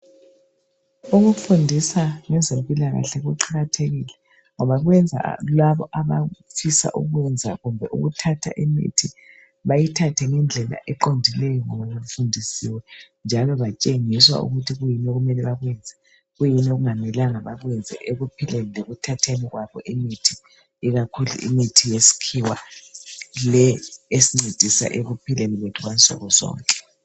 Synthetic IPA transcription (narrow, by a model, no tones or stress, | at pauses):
uɣufundʱisaŋɛzempʼilaɣa̰ɬɛɣuǃaɣatʰeɣilɛ | ŋɔβaɣwɛnd͡zʱa̰laβɔʔaβafisa̰ʔṵɣwɛnd͡zʱa̰ɣumbʱɛʔṵɣutʰatʰa̰ʔimḭtʰi | βajitʰatʰɛŋɛnd͡ɮʱɛla̰ʔɛǃondʱilɛjɔŋɔβalom̩fundʱisiwɛ | nd͡ʒʱalɔβat͡ʃʼeŋiswa̰ṵɣutʰiɣujinɛɣumɛlɛβaɣwɛnd͡zʱɛ | ɣujinɛoɣuŋamɛlaŋaβaɣwɛnd͡zʱɛ̰ʔeɣupʰilelileɣutʰatʰeniɣwaβɔ̰ʔemitʰi | iɣakʰulṵʔḭmitʰijesi̥kʰiwa̰ | lɛesiŋ͡ǀed̥ʱisa̰ʔeɣupʰilɛlilwetʰuɣant͡sʼɔ̰ɣɔzɔ̰ːŋkʼɛ̥